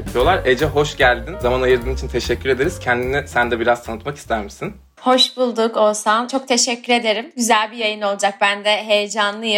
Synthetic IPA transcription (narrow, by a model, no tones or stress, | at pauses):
p̪ʰijo̞lˠaɾed͡ʒɛɦo̞ʃɟælʲd̪inzamanajɯɾd̪ɯːmit͡ʃʰint̪ʰeʃɛcːyɾe̞d̪e̞ɾiz̥cʰɛnd̪inisænd̪ɛbiɾaz̥t̪ʰanɯt̪maki̥st̪ʰæɾmisin | ho̞ʃbulˠd̪uko̞lˠsamt͡ʃʰo̞k̚t̪ʰe̞ʃɛcʰʲːyɾe̞d̪e̞ɾimɟyzælʲbijajɯno̞lˠd͡ʒak̚bænd̪ɛɦe̞jed͡ʒanlˠɯjɯ